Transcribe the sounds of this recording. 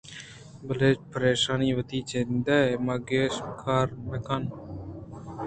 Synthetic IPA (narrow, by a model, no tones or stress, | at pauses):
bɐleːt͡ʃpəɾeːʃaːniːʋɐt̪iːt͡ʃʰend̪ɐmɐɡeːʃkʰaːɾmekan